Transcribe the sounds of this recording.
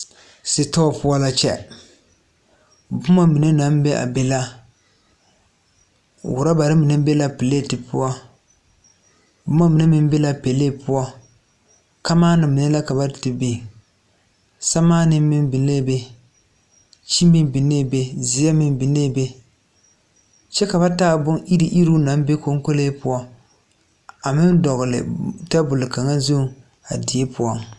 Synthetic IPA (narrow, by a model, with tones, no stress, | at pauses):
si˨ta˦˨pʊ˦a˦la˦t͡ʃɛ̰˦ | bʊ˦ma˦mi˨nɛ˦na˦m˦bɛ˦ʔa̰˨bɛ˦la˦ | wʊ˨ɾa˦ba˨ɾɨ˦mi˨nɨ˦bɛ˦la˦pɪ˨leː˦˨tɨ˨pʊ˦a˦ | bʊ˦ma˦mi˨nɛ˦mi˦m˦bɛ˦la˦pɛ˨le˦˨pʊ˦ɔ˦ | ka˦maː˦nɨː˨i˨nɛ˦la˦ka˨ba˦dɨ˨tɨ˨bi˨ | sa˦maː˦nɨ˦m˦mɪ˦m˦bi˨ne˦˨be˦ | t͡ʃi˦m˦bi˦m˦bi˨ne˦˨be˦zi˨ja˦mɪ˦m˦bɪ˨ne˦˨be˦ | t͡ʃɛ˦ka˨ba˦taː˦bʊ˦ŋʔi˦ɾi˨˦ʔi˦ɾu˦na˨˦m˦be˦ko˦ŋ˦ko˦le˦pʊ˦ɔ˦ | a˨mɪ˦ndɔ˨ɣʊ˨lɨ̰˨ta˦bʊ˨lɨ˨ka˨ŋa˦zo˦˨ | a̰˨di˨e˦pʊ˦ɔ˦